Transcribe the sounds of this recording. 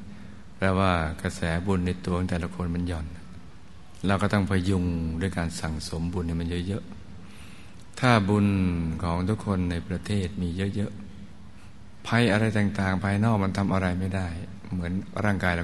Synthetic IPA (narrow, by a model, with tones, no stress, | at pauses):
pɾɛː˧˥waː˥˩kɾa˧sɛː˩˦bu˧nːa˧jt̪u˧kʰɔ˩˦t̪ɛː˨˩la˧kʰo˧nma˧njɔː˨˩n | ɾaː˧wkɔː˥˩t̪̬ɔ˥˩ŋpʰa˧ju˧ŋdu˥˩əjkaː˧nsa˨˩ŋso˩˦mbu˧nːi˥˩ma˧njɤ˦˥ʔjɤ˦˥ʔ | t̪ʰaː˥˩bu˧nkʰɔː˩˦ŋt̪ʰu˦˥kʰːo˧nːa˧jpɾa˧t̪ʰeː˥˩t̪̚miː˧jɤ˦˥ʔjɤ˦˥ʔ | pʰa˧jʔa˧ɾa˧jt̪aː˨˩ŋt̪aː˨˩ŋpʰaː˧jnɔː˥˩kma˧nt̪ʰa˧mʔa˧ɾa˧jma˥˩jda˥˩j | mɯ˩˦ənɾaː˥˩ŋkaː˧jla˧